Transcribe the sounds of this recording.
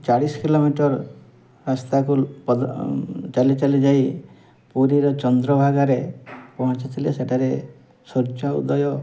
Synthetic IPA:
t͡ʃaɽisɔ̥kilomiʈɔɾ | ɾast̪akupɔd̪t͡ʃalit͡ʃalid͡ʒaj | puɾiɾɔt͡ʃɔnd̪ɾɔbʱaɡaɾepɔɦɔ̃t͡ʃat̪ʰileseʈʰaɾe | sɔɾt͡ʃaṵd̪ɔjɔ

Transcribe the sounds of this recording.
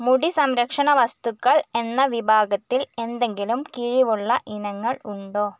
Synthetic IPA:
muɽisɐmɾɐkʂɐɳɐʋɐst̪ukːɐɭe̞nːɐʋibʱaːɡɐt̪ːile̞nd̪e̞ŋɡilumkiɻiʋuɭːɐʔinɐŋːɐɭuɳɖoː

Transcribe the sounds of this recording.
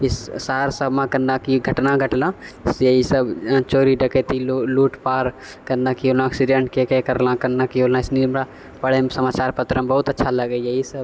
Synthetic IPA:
ɪssaːɾsəbmãkɐnnakiɡʱɐʈnaɡʱɐʈlãːsjɐɦisɐbt͡ʃoːɾiɖɐket̪iluːʈpaːɾ | kɐndakiolaəksiɖẽɳʈkekekɐɾlãkɐnnakiolnaɪsniɾmɾa | pɐɽesɐmaːt͡ʃaːɾpɐt̪ɾəmbɐɦʊt̪ɐtːʃʰalɐɡejɐɦisɐb

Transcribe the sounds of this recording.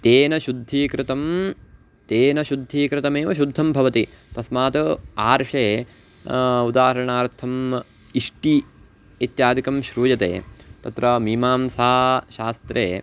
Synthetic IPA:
t̪eːnɐʃud̪ʱːiːkɾɪt̪ɐm | t̪eːnɐʃud̪ʱːiːkɾɪt̪ɐmeːʋɐʃud̪ʱːɐmbʱɐʋɐt̪i | t̪ɐsmaːt̪ɐaːɾʂeː | ud̪aːɦɐɾɐɳaːɾt̪ʰːɐm | iʂʈi | it̪jaːd̪ikɐmʃɾuːjɐt̪ḛːt̪ɐt̪ɾɐmiːmaːmsaːʃaːst̪ɾeː

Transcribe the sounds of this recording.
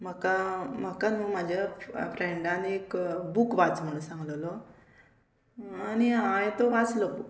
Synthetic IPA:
m̤əkam̤əkanũmad͡ʑʱjafɾeɳɖaniekbukʋat͡sm̤əɽũnsãŋɡləlɔ | aniãjt̪ɔʋaslɔ

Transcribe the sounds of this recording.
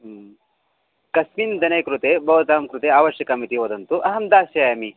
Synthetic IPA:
kɐsmind̪ɐnɐjkɾut̪eːbʱɐʋɐt̪aːmkɾut̪eːaːʋɐʃjɐkaːmit̪iɦoːd̪ɐnt̪uʔɐɦɐmd̪aːsjaːjɐmi

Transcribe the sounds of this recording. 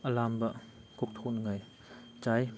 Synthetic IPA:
ʔalambaʔ | kuk̚t̪ʰuːnŋaj | t͡ɕaj

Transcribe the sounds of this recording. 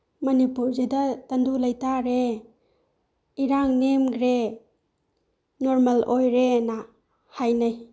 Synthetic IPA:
mɐnipuɾzidatandulajtaɾe | iɾaŋnemɡɾe | noɾmɐlojɾena | hajnaj

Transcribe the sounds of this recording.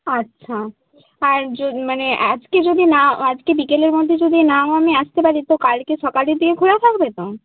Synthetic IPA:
atːʃʰa | aɾd͡ʑomanead͡ʑked͡ʑod̪inaoad͡ʑkebikeleɾmod̪ʱːed͡ʑod̪inaoamiaʃt̪epaɾit̪okaɾkeʃɔkaleɾd̪ikekʰoɾat̪ʰakbet̪o

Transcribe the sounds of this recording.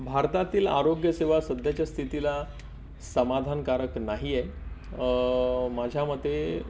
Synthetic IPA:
bʱaɾt̪at̪iːla̰ɾoɡjəseʋasəd̪ʱjat͡ɕast̪ʰit̪ila | səmad̪ʱankaɾəknaɦijɛ | mad͡ʑʱjaməd̪ʱe

